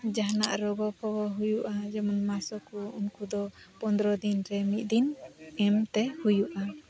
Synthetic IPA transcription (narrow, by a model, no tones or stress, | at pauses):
d͡ʒaɦna̰ʔɾɔɡɔpʰɔwɔɦujuʔad͡ʒɛmɔnmasɔkuunkud̪ɔpɔnd̪ɾɔd̪inɾɛmit̪̚ˀd̪inɛmt̪ɛhujuʔa